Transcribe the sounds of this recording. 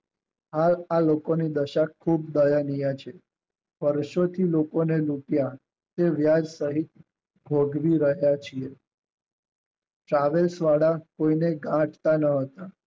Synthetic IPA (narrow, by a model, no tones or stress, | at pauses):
ɦalalokonid̪əʃakʰub̚d̪əjanijat͡ʃʰe | ʋəɾʃot̪ʰilokonelupja | t̪eʋjad͡ʒsəɦit̪̚ | bʱoɡʋiɾəɦjat͡ʃʰie | ʈɾaʋelsʋaɽakoineɡãʈt̪anəɦət̪a